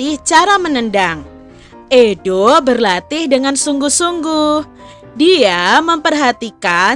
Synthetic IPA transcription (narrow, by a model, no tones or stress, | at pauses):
ɪht͡ʃaɾamənəndaŋ | ʔedobərlat̪ɪhdəŋansuŋɡuhsuŋɡuh | diaməmpərɦat̪ika